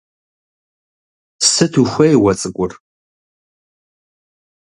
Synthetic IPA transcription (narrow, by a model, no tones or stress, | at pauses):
sɨtʰuxʷɐjwɐt͡sʼɨkʷʼʊr